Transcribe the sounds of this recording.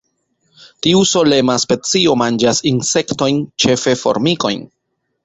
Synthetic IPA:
tiuso̞le̞maspe̞t͡sio̞mand͡ʒasinse̞kto̞jnt͡ʃe̞fe̞fo̰ɾmiko̞̰jn

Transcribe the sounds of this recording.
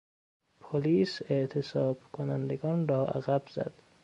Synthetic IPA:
pʰoliːseʔt̪ʰesɒːb̥kʰonænd̪eɡɒːnrɒːʔæ̰ɣæbz̥æ̰d̪̥

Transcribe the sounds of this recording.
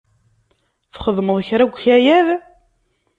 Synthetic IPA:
fχəðˤməðˤçɾæɡʷːçæjæð

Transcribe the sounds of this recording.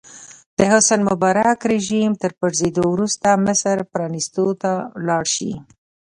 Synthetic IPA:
d̪̥əhʊsanmʊbɑɾakɾeʒimt̪əɾpəʐzed̪owɾust̪amɪsɾpɾɑnist̪ot̪alɑɽʃḭ

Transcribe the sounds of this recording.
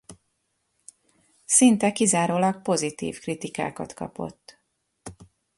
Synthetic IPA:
sint̪ɛkizaːɾoːlɒk̚po̞zit̪ḭːfkrit̪ika̰ːkɒt̪kɒ̰po̞̰t̪ː

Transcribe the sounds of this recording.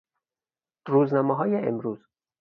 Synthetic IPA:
ɾuːznɒːmeɦɒːjeḛmɾuːz

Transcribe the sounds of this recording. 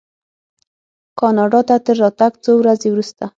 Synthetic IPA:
kɑnɑɖɑt̪at̪əɾːɑt̪aɡt͡sowɾazewɾust̪a

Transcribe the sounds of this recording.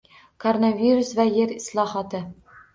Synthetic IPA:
kʰoɾonavʲiɾʊsvajeɾɪslˠɒhɒt̪ɪ

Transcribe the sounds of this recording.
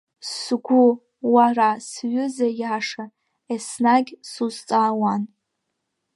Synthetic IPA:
sɡʷʊ | warasɥʏzajaʂa | esnaɡʲsuzt͡sʼaːwan

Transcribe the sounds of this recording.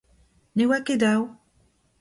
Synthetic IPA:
newaked̪aw

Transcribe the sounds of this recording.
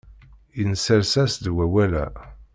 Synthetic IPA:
jənsəɾsæsd̪wæwælæ̰

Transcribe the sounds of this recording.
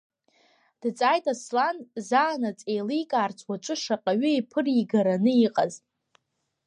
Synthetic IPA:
d̥t͡sʼajtʼaslanzaːnat͡sʼejlijkʼaːrt͡sʷʰʼwat͡ʃʷʼʊʂaqʼaɥʏipʰɨriɡaɾanɨiqʼaz

